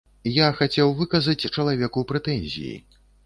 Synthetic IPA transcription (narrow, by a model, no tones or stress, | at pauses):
jaxat͡sʲɛwvɨkɐzɐt͡sʲt͡ʂɐlˠavʲɛkupɾɛt̪ɛnʲzʲḭjḭ